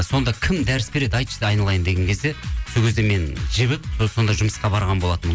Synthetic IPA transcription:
so̞nd̪ɑkʲʰɪmd̪æɾɪsbe̞ɾe̞d̪ɑjt̪ʃd̪eɑjnɑlˠɑjənd̪eɡʲeŋkʲʰzd̪e̞sokʰʲe̞zd̪e̞me̞nʒeβɪp̚so̞nd̪ɑʒʊməsqɑbɑɾʁɑnbo̞lˠɑt̪əmən

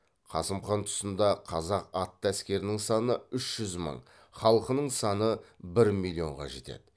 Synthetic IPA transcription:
qʰɑ̰səmχɑnt̪ʰʊ̥sənd̪ɑqʰɑzɑqɑt̪ːæskʲe̞ɾɪnɪŋsɑnəʏʃʒ̥ʏzmə̰ɴ | χɑlˠəqənəɴsɑnəbɪɾmilʲˠːio̞̰ɴʁɑ̰ʒe̞̰t̪e̞̰d̪ɪ

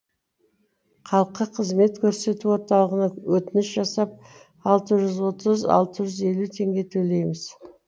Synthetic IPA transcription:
qʰɑlˠəqːəqʰəzme̞t̪kʲʰɵɾse̞t̪uwo̞ɾt̪ɑlˠəʁənɑwɵt̪ɪnɪʃʒɑsɑp̚ | ɑlˠt̪əʒʏzwo̞t̪əzɑ̰lˠt̪əʒʏze̞lut̪ʰe̞ŋɡʲe̞t̪ʰɵle̞jmɪz̥

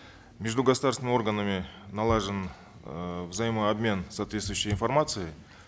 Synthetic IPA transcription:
mʲeʐd̪uɡɐsud̪arsvɪnʲo̞rɡənɨmʲɪnɐlˠaʐɨn | vzɐjiməɐbmʲe̞nsaːt̪vʲest̪vʊjɕːɪjiɪnfɐrmat̪sɨɪ

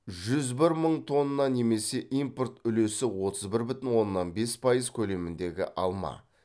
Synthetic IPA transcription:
ʒʏzbɪɾməɴt̪ʰo̞nːəːɑne̞me̞se̞ʔimport̪ʏle̞sɪwo̞t̪ʰəzbɪɾbʏt̪ɪnwo̞nːɑnbe̞spʰɑjəzkʲʰɵle̞mɪnd̪e̞ɡʲɪ̰ʔɑlˠmɑ̰

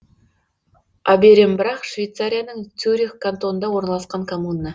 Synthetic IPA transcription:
ɑbeɾʲembɪɾɑqʃvejt̪saɾʲijanəɴt̪ʲʰuɾʲikkːant̪onənd̪ɑwo̞ɾnɑlˠɑsqɑɴkʰomunːə

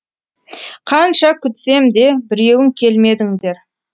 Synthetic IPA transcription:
qʰɑnʃɑkʲʰʏt̪se̞md̪e̞bɪɾe̞wɪŋkʲʰe̞lme̞d̪ɪŋd̪e̞ɾ

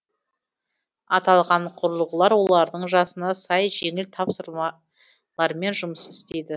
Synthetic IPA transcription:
ɑt̪ɑlˠʁɑɴqʰʊɾəlˠʁəlˠɑɾwo̞lˠɑɾd̪əɴʒɑsənɑsɑjʒe̞ŋɪlt̪ʰɑpsəɾmɑ | lˠɑɾme̞nʒʊməsɪst̪e̞jd̪ɪ

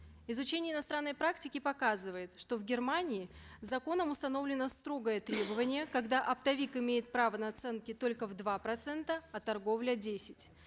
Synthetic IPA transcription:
ɪzʊt͡ɕenʲɪəɪnɐst̪ɾanːəjpɾaktʲɪkʲɪpɐkazɨvəjɪt̪ʂt̪o̞vɡʲɪrmanʲɪɪzɐko̞nəmʊst̪ɐno̞vlʲɪnəst̪ɾo̞ɡəjət̪ɾʲe̞bəvənʲɪjəkɐɡd̪aʔɐpt̪ɐvʲikɪmʲejɪt̪̚pɾavənɐɐt̪sɛnkʲɪt̪o̞lʲkəvd̪vapɾɐt̪sɛnt̪əɐt̪ɐrɡo̞vlʲədʲesʲɪ̥tʲ

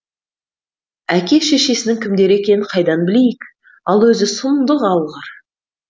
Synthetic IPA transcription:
ækʲe̞ʃe̞ʃe̞sɪnɪŋkʲʰɪmd̪e̞ɾe̞kʲe̞nɪnqʰɑjd̪ɑnbɪle̞jɪk | ɑlˠwɵzɪsʊmd̪əʁɑwʁɑɾ

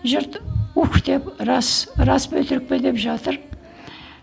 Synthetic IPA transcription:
ʒəɾt̪ukt̪e̞pɾɑsɾɑsbɵt̪ɪɾɪk̚ped̪e̞pʒɑt̪əɾ

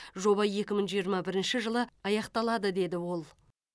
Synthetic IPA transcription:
ʒo̞βɑje̞kʲɪmɪɴʒijəɾmɑbɪɾɪnʃɪʒəlˠəɑjɑqt̪ɑlˠɑd̪əd̪e̞d̪ɪwo̞lˠ

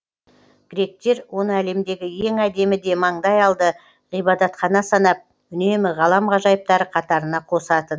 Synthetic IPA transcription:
ɡ̥ʲɪɾe̞k̚t̪e̞ɾwʔo̞nəæle̞md̪e̞ɡʲɪje̞ŋæd̪e̞mɪd̪e̞mɑɴd̪ɑjɑlˠd̪ə | ʁijbɑd̪ɑt̪χɑnɑsɑnɑp̚ | ʏne̞mɪʁɑlˠɑmʁɑʒɑjəp̚t̪ɑɾəqʰɑt̪ɑɾənɑqʰo̞sɑt̪ən

